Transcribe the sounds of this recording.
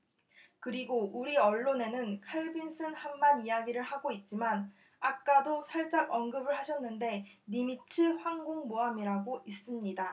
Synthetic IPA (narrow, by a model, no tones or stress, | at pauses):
kɯɾiɡoʔuɾiʌɭːone̞nɯnkʰeɭbins͈ʰɯnhanmanijaɡiɾɯɭhaɡoit̚t͡ɕ͈iman | ak̚k͈adosʰaɭt͡ɕ͈aɡʌnɡɯbɯɭhaɕʰʌnːɯnde̞nimit͡ɕʰɯɸwaŋɡoŋmoamiɾaɡoʔis͈ɯmɲida